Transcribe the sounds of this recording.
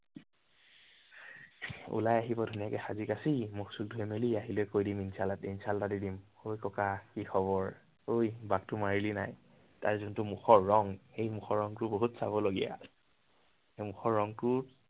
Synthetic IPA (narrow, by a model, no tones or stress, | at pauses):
ṵlajaɦibɔdʱunijakɛxazikasimuksuk̚dʱuɛmeliaɦilɛjkojdiminsalatinsaltadidim | ojkɔkakixʰɔβɔɹ | ojbak̚tʊmaɹilinaj | ta̰ɹzʊntʊmuxɔɹːɔŋxejmuxɔɹɔŋtʊboɦutsaβɔloɡija̰ | emuxɔɹːɔŋtʊ